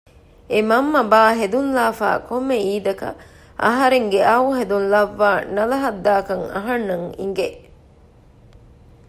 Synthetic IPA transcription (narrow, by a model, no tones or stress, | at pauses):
emɐmːɐbaːɦed̪unlaːfa̰ːkomːeiːd̪ɐkɐ̰ | ʔɐɦɐɾeŋɡeʔɐuɦed̪unlɐʋːaːnɐlɐɦɐd̪ːaːkɐŋɐ̰ɦɐnːɐŋḭŋɡe